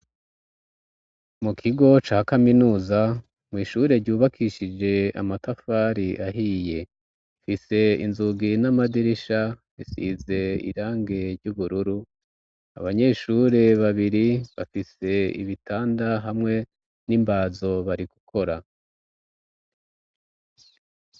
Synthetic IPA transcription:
mukʰiɡo̞t͡ʃaːhkaminuːza | mŋiːʃuːɾe̞ɾɟuːβakʰiʃid͡ʒe̞a̰matafaːɾiʔaɦiːje̞ | fise̞ḭnzuɡinamadiɾiʃaβisḭze̞ḭɾaːŋɡe̞ɾɟuβuɾuɾu | aβaɲe̞ːʃuɾe̞βaβiɾiβa̰fise̞ḭβitʰaːndaɦamŋe̞ | nimbaːzo̞βaɾiku̥kʰo̞ɾa

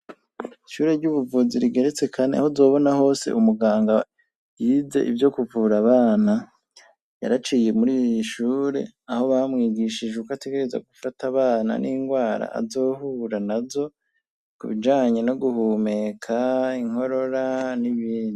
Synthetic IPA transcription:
iʃuːɾe̞ɾɟuβuvuziɾiɡe̞ɾet͡se̞kʰanea̰ho̞zo̞ːβo̞naho̞ːse̞̰ʔumuɡaːŋɡa | jiːze̞̰ʔivjo̞kuvuɾaβaːna | ja̰ɾat͡ʃije̞muɾiːjiʃuːɾe̞̰ | aho̞βamŋiːɡiʃid͡ʒeukate̞ɡeɾeza̰ɡufataβaːna̰nʔiŋɡwaːɾa̰a̰zo̞ːhuːɾanazo̞ | kṵβid͡ʒaːɲe̞no̞ɡuhuːme̞kʰaiŋ̥ho̞ɾo̞ɾaniβiːndi

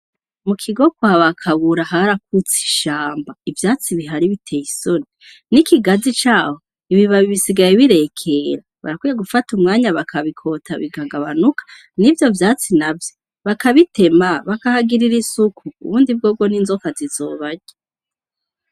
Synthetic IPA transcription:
mukʰiɡo̞kwaaβakʰaβuɾaɦaɾak̚ut͡si̥ʃaːmbaivjaːt͡siβiɦaɾiβitʰe̞jiso̞ni | nikiɡazit͡ʃaːho | iβiβaβiβisiɡajeβiɾe̞kʰe̞ɾa | βa̰ɾakwijeɡufatumŋaːɲaβakʰaβikʰo̞ːtʰaβiɡaːŋɡaβanukḁ | nivjo̞vjaːt͡sinavjo | βakaβite̞maβakahaɡiɾiɾisukʰṵːβuːndib̚ɡoːɡo̞ninzokazizoːβaɲe

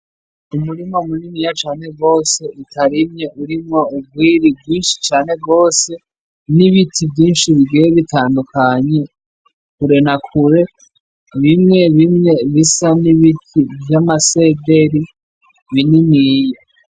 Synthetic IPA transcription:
umuɾimoumuninijat͡ʃaːne̞ɡɡo̞ːse̞itʰaɾimɲe̞ʔuɾimŋoub̚ɡwiːɾibɡwiːnʃi̥t͡ʃaːne̞bɡo̞ːse̞ | niβitʰibjiːnʃiβiɡiweβitʰaːndukaɲe̞ | kuɾe̞nakʰuɾe̞ | βimŋe̞βimŋe̞βisaniβitʰivjamase̞de̞ɾi | βininiːja

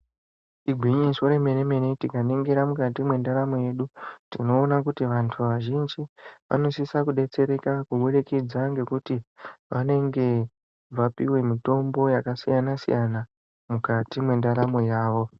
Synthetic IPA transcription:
iɡʱwiɲisoɾe̞me̞neme̞ne̞tikaneŋɡeɾamukatimwe̞ndaɾamoje̞ɗutino̞ːnakutiʋantʰuʋaʒind͡ʒiʋʔa̰no̞sisakuɗe̞t͡se̞ɾe̞kakuɓuɗeked͡zaŋɡe̞kutiʋane̞ŋɡe̞ | ʋapḭwe̞mito̞mbo̞jakasḭjanasḭjʔana | mukatimwe̞ndaɾamojaːʋo̞

